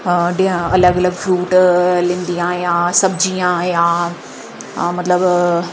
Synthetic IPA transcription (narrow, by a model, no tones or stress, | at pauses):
ɗiɦə̃ɐləɡɐləɡfɾuːʈlĩːnd̪iaːɦĩjaːsɐbd͡ʑiaːɦiãː | mɐt̪ləb